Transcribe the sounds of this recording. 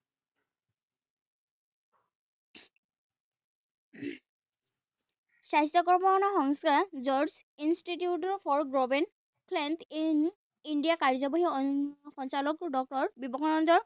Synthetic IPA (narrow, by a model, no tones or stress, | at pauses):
sajstɔkɔɹmɔxɔnɔxɔŋskazɔɹzinstitiutɔɹpʰɔɹɡɹobɛn | kʰlɛntin | indijakaɹzɔbɔɦiɔxɔnt͡ʃalɔkdɔk̚ʈɔɹbibɔkʰɔnɔnd̪ɔɹ